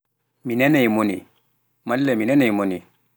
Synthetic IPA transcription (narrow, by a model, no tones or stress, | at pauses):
minɛnɛjmonḭ | malːɛminɛnɛjmoni